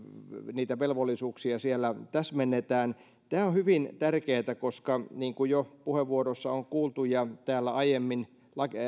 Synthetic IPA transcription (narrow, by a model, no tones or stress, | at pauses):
niːt̪æʋelʋolːisuːksiɑsielːæt̪æsmenːet̪æːn | t̪æːohyʋint̪ærkeːt̪ækoskɑniːŋkujopuheʋʋuoɾosːɑoŋkuːlt̪ujɑt̪æːlːæɑjemːin | lɑke